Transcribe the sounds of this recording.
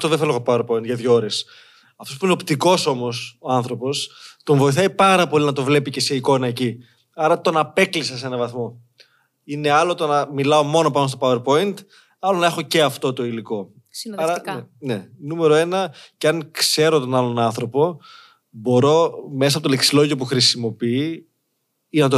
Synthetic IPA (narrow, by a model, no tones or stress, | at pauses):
t̪oðefeloɣopaweɾpo̞int̪ʝɐðʝoɾes | ɐft̪opuineopt̪iko̞so̞mo̞soɐnθɾo̞po̞st̪o̞ɱvo̞iθɐipɐɾɐpo̞linɐt̪o̞vle̞pice̞seiko̞nɐeci | ɐɾɐt̪o̞nɐpe̞klisɐse̞nɐvɐθmo̞ | ine̞ɐlo̞t̪o̞nɐmilɐo̞mo̞nopɐnos̬t̪opauweɾpo̞int̪ | ɐlonɐe̞xo̞ce̞ɐft̪o̞t̪o̞iliko̞ | ɐɾɐene̞nume̞ɾo̞e̞nɐceɐŋkse̞ɾot̪o̞nɐlo̞nɐnθɾo̞po̞ | bo̞ɾo̞me̞s̬ɐpot̪oleksilo̞ʝio̞p̬uxɾisimo̞pii | inɐt̪o